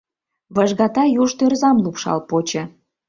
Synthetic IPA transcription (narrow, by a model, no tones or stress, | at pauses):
βəʒɣɑt̪ɑjuʃt̪ørzɑmlupʃɑ̰lpot͡ɕə̆